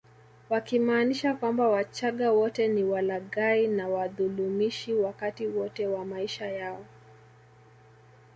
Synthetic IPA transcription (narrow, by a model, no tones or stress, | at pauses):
wakimaːniʃakwambawat͡ʃaɠawɔtɛniwalaɠainawaðulumiʃiwakatiwɔtɛwamaiʃajaɔ